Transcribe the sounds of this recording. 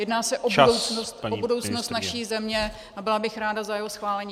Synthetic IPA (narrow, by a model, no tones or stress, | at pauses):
jɛdnaːsɛʔobudowt͡snost̪obudo̞wt͡snost̪naʃiːzɛmɲɛ | ʔabɪlabɪxɾaːdazajɛɦosxvaːlɛɲiː